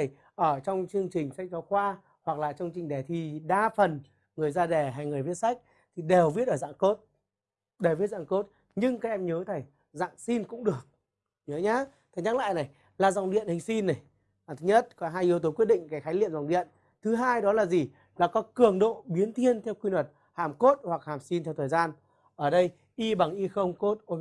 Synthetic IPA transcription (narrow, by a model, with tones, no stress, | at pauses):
ə˨˩j | ʔəː˧˩t͡ɕɔ˧wŋ͡mt͡ɕɨ˧əŋt͡ɕï˨˩ŋ̟sa˦˥jk̟̚t͡ɕɔ˨˦xwaː˧ | hwa˨˩k̚laː˨˩t͡ɕɔ˧wŋ͡mt͡ɕï˨˩ŋ̟ɗɛ˨˩t̪ʰi˨˩ɗaː˧fə˨˩n | ŋɨ˨˩əjzaː˧ɗɛ˧˩ɦa˧jŋɨ˨˩əjvi˦˥ətsa˦˥jk̟̚ | t̪ʰi˨˩ɗe˨˩wvi˦˥ət̚ʔəː˧˩za̰ː˧˨ŋko˦˥t̚ | ɗe˧˩vi˨˦˥t̚za̰ː˧˨ŋko˦˥t̚ | ɲɨ˧ŋkaː˦˥k̚ʔɛ˧mɲəː˨˦t̪ʰə˨˩j | za̰ː˧˨ŋsi˧nkʊ̰˧˥ŋ͡mɗɨ˨˩ək̚ | ɲəː˨˦ɲaː˨˦t̪ʰa˨˩ŋɲa˦˥k̚la̰ː˧˨jna˨˩j | laː˨˩za˨˩ŋ͡mɗḭ˧˨ənhï˨˩ŋ̟si˧nːa˨˩j | t̪ʰɲə˦˥t̚kɔ˨˦ɦaː˧jʔi˧əwt̪o˨˦kwt̚ɗḭ̈˧˨ŋkaː˨˦jxaː˨˦jlḭ˧˨əmza˨˩wŋ͡mɗḭ˧˨ən | t̪ʰɨ˨˦ɦaː˧jɗɔ˨˦laː˨˩zi˨˩ | laː˨˩kɔ˨˦kɨ˨˩əŋɗo̰˧˨ɓi˨˦ənt̪ʰi˧ənt̪ʰɛ˧wkwi˧nwə˨˩t̚ | haː˨˩mko˦˥t̚hwa˨˩k̚haː˨˩msi˧nt̪ʰɛ˧wt̪ʰəː˨˩jzaː˧n | ʔəː˧˩ɗə˧j | ʔi˧ɓa˨˩ŋʔi˧xə˧wŋ͡mko˦˥t̚ʔo˧